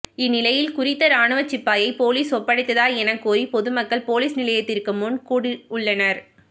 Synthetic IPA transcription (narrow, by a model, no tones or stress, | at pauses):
ɪnːɪlɐjɪlkʊɾɪt̪ːɐɾaːɳɯʋɐt͡ʃːɪpːaːjɐɪpoːliːsɔpːɐɽɪt̪ːɐðaːɛnɐkːoːɾipɔðɯmɐkːɐɭpoːliːsnɪlɐjɐt̪ːɪɾkɯmʊnkuːɽɪʊɭːɐnɐɾ